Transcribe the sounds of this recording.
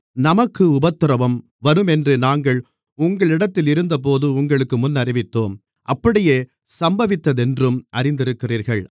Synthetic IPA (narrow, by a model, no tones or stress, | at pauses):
nɐmɐkːɯʊbɐt̪ːɪɾɐʋɐm | ʋɐɾɯmɛndrɯnaːŋɡɐɭ | ʊŋɡɐɭɪɽɐt̪ːɪlɪɾɯnd̪ɐp̬oːðɯʊŋɡɐɭɯkːɯmʊnːɐrɪʋɪt̪ːoːm | ʔɐpːɐɽɪjeː | sɐmbɐʋɪt̪ːɐðɛndrɯmʔɐrɪnd̪ɪɾɯkːɪriːɾɣɐɭ